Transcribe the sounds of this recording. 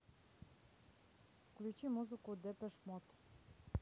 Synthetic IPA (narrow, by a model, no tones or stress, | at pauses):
fklʲut͡ʃimuzikud̪ɛpɛʃmɔt̪